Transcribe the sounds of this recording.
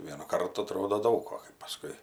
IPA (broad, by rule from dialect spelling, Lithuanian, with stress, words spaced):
ˈʋʲiɛnʊ ˈkɐrtʊ ɐˈtroːdoː ˈdɐʊk oː kɐɪ pɐˈskʊɪ